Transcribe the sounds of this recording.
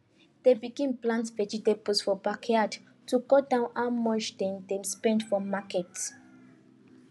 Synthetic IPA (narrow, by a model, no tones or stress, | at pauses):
d̥ebiɡĩmplãntsvɛd͡ʒidebosfɔbakɛad | tuɡɔdãʊ̃namɔ̃nt͡ʃdɛ̃ndɛ̃mspɛ̃ndfɔmakɛt